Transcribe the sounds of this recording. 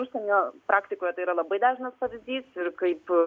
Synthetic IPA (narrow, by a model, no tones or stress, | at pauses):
uʃʲsʲɛnʲoːpɾʔɑːkt̪ʲɪkoːjɛt̪ɐɪiːɾɐlˠɐbɐɪd̪ɑːʒʲɪnɐspɐʋʲɪzʲd̪ʲiːsɪɾkɐɪp